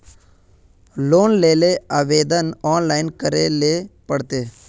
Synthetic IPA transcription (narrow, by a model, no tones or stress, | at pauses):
loːnleːleaːʋeːd̪ənɔːnlaːɪnkəɾeleːpəɽt̪eː